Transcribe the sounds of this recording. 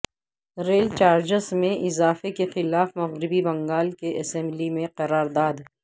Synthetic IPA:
ɾeːlt͡ʃaːɾd͡ʒəsmẽʔɪzaːfekexɪlaːfmɐɣɾɪbibɐ̃ŋɡaːlkeʔɐsɛ̃mblimẽqɐɾaːɾd̪aːd̪

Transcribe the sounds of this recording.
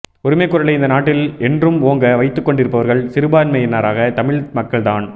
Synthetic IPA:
ɔɾɯmeːkːʊɾɐɭɐɪɪnd̪ɐnaːʈːɪlɛndrɯmoːŋɡɐʋɐɪt̪ːɯkːɔɳɖɪɾɯpːɐʋɐɾɣɐɭsɪɾɯbaːnmɐjɪnːaːɾaːɣɐt̪ɐmɪɭmɐkːɐɭt̪aːn

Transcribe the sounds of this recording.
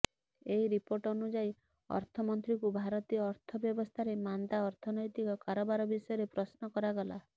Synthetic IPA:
eiɾipoɾʈɔnud͡ʒai | ɔ̰ɾt̪ʰɔmɔnt̪ɾikubʱaɾɔt̪iɔːɾt̪ʰɔbjɔbɔst̪ʰaɾemand̪aɔɾt̪ʰɔnɔjt̪ikɔkaɾɔbaɾɔbisɔjɔɾepɾɔsnɔkɔɾaɡɔla

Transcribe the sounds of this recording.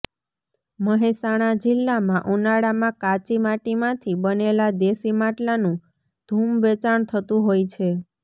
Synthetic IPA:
məɦesaɽ̃ad͡ʒɪlːamãʔunaɽamãkat͡ʃimaʈimãt̪ʰibənelad̪esimaʈlanũ | d̪̥ʱumʋet͡ʃaɳt̪ʰət̪ũɦojt͡ʃʰe

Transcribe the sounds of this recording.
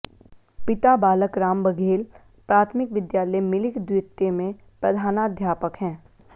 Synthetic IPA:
pɪt̪abaːləkɾaːmbəɡʱeːl | pɾaːt̪ʰmɪkʋɪd̪jaːləjmɪlɪkd̪wɪt̪ːemẽ | pɾɐd̪ʱaːnaəd̪ʱjaːpəkɦɛ̃ː

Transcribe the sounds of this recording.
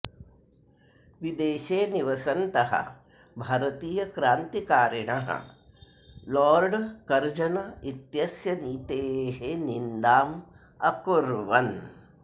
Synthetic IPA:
ʋid̪eːʃeːniʋɐsɐnt̪ɐɦɐ̰ | bʱɐɾɐt̪iːjɐkɾaːnt̪ikaːɾɐɳɐɦɐ̰ | lɔːɾɖkɐɾd͡ʒɐnɐit̪jɐsjɐniːt̪eːɦenind̪aːm | ɐkuɾʋɐn

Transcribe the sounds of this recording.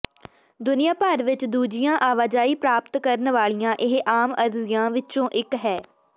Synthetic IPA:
d̪ʊnɪjãːpəɾʋɪt͡ʃd̪uːd͡ʒɪjãːʔaːʋaːd͡ʒaːiːpɾaːp̚t̪kəɾnʋaːɭijãːʔɪɦʔaːməɾzɪjãːʋɪt͡ʃõːʔɪkɦɛː

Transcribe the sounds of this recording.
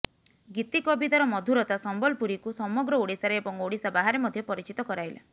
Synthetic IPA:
ɡit̪ikɔbit̪aɾɔmɔd̪ʱuɾɔt̪asɔmbɔlpuɾikusɔmɔɡɾɔoɽisaɾeːbɔŋoɽisabaɦaɾemɔd̪ʱjɔpɔɾit͡ʃit̪ɔkɔɾajla̰

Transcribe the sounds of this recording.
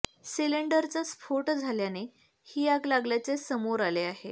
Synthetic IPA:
siliɳɖəɾt͡sasfoʈd͡zʱaljane | hiːaɡlaɡljat͡sesəmoɾaleaɦe

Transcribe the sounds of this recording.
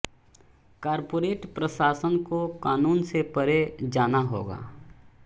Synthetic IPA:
kaːɾpoːɾeːʈpɾəʃaːsənkokaːnuːnsepəɾed͡ʒaːnaɦo̰ːɡa̰ː

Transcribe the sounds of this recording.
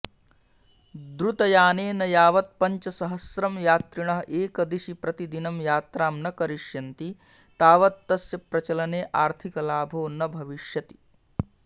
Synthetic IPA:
d̪ɾut̪ɐjaːneːnɐjaːʋɐt̪̚pɐɲt͡ʃɐsɐɦɐsɾɐmjaːt̪ɾiɳɐɦʔeːkɐd̪iʃipɾɐt̪id̪inɐmjaːt̪ɾaːmnɐkɐɾiʃjɐnt̪i | t̪aːʋɐt̪ːɐsjɐpɾɐt͡ʃɐlɐneːʔaːɾt̪ʰikɐlaːbʱoːnɐbʱɐʋiʃjɐt̪i̥

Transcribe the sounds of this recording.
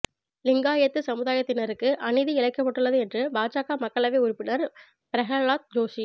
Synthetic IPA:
lɪŋɡaːjɐt̪ːɯsɐmɯðaːjɐt̪ːɪnɐɾɯkːɯʔɐnɪðiɪɭɐɪkːɐpːɐʈːɯɭːɐðɯɛndrɯbaːt͡ʃaːkaːmɐkːɐɭɐʋeːʊɾʊpːɪnɐɾ | pɪɾɐɣɐɭaːt̪̚d͡ʒoːʂi

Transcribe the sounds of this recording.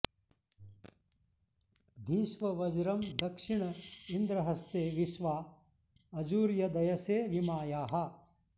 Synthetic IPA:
d̪ʱiːʃʋɐʋɐd͡ʒɾɐmd̪ɐkʂiɳɐind̪ɾɐɦɐst̪eːʋiʃʋaː | ɐd͡ʒuːɾjɐd̪ɐjɐseːʋimaːjaːɦɐ

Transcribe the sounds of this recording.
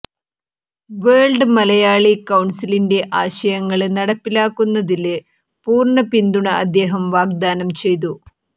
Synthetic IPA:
ʋeːɭɖɨmɐlɐjaːɭikɐwɳsilinde̞ʔaːɕɐjɐŋːɐɭnɐɽɐpːilaːkːunːɐðil | puːrɳɐpind̪uɳɐʔɐd̪ːe̞ːɦɐmʋaːɡ̚d̪aːnɐmt͡ɕe̞jt̪̬u

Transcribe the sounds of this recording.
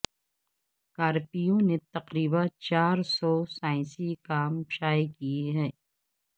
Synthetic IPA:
kaːɾpijõnet̪ɐqɾiːbãt͡ʃaːɾsɔːsaːɪ̃sikaːmʃaːikieɦɛː

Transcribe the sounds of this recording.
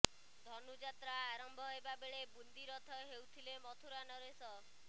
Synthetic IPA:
d̪ʱɔnud͡ʒat̪ɾaːɾɔmbʱɔɦebabeɭebund̪iɾɔt̪ʰɔɦewt̪ʰilemɔt̪ʰuɾanɔɾesɔ

